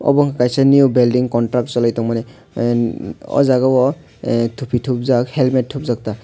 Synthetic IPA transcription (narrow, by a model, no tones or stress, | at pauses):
ɔ̰bɔŋakajsanijubɛldiŋkɔntɾak̚tsɔlajtɔŋmanɛ | ɔ̰zaɡawɔ | tʰupʰitʰup̚zakhɛlmet̚tʰːup̚zak̚ta